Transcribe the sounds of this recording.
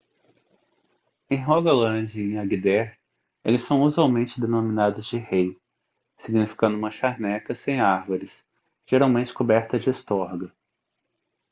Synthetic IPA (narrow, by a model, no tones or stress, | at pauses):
ẽj̃ɦɔɡɐlɐ̃d͡ʒɪẽj̃aɡid̪ɛɾ | elɪsːɐ̃w̃uzuawmẽnt͡ʃɪd̪enominad̪ʊzd͡ʒɪhej | siɡnifi̥kɐ̃nd̪ʊũmɐʃaɾnɛkɐsẽj̃aɾvoɾɪs | ʒ̥eɾawmẽnt͡ʃɪ̥kobɛɾt̪ɐd͡ʒɪest̪ɔɾɡɐ